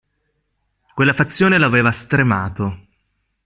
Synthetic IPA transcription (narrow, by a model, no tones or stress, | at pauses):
kwelːafat̪sːjoːnelaaveːvast̪ɾemaːt̪o